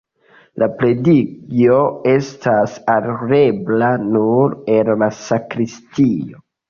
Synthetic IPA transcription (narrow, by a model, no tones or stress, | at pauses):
lʔapɾe̞dikio̞e̞stʰasaɾɾeblanuɾenlasakɾistio̞